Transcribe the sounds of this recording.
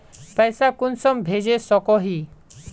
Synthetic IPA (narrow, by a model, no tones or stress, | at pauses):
pɛjsakunsɔmbʱed͡ʑesɔkɔɦi